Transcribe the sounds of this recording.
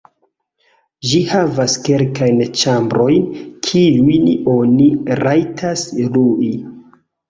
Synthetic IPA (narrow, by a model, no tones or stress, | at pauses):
ʒihavaske̞lkajnt͡ʃambɾo̞jnkʰiujno̞niɾajtʰasluʔi